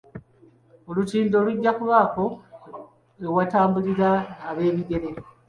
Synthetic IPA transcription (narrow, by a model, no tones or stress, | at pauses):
o̞lutiːndo̞luɟːakuβaːko̞ | ewataːmbuliɾaːβe̞ːβiɡe̞ɾe̞